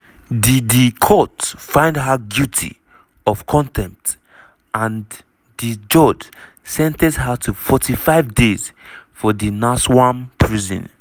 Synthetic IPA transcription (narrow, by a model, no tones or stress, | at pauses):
didikʰɔtfãɪ̃ndɦaɡjutʰḭ | ɔv̥kʰɔ̃ntʰɛ̃mp̚t | ʔãn | did͡ʒɔd͡ʒ | sɛ̃ntɛdɦatʰufɔtifaɪvdez̥fɔdinaswãmpʰɹizɔ̰̃n